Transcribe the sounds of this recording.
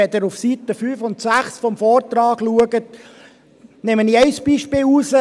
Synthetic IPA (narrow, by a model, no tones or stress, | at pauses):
ɛd̪əɾufsitəfyːfʊnt̪sæχsfɔmfɔːrt̪ɾɑːɡluəɡət̚ | nɛməniːɛɪsb̥iʃpɪːlusə